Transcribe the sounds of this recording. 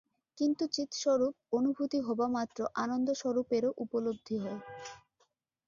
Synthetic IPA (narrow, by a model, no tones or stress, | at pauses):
kint̪ut͡ɕit̪ʃɔɾup̚onubʱut̪iɦɔbamat̪ːɾoʔanond̪oʃɔɾupeɾoʔupolob̚d̪ʱːiɦɔe